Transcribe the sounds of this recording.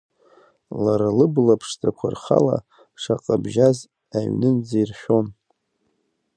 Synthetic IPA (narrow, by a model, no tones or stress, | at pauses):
laɾalɨblapʰʂtʰʼakʷʰa̰rχa̰la̰ | ʂaqʼabʒaz | aɥnɨnd͡zairħᶣo̞n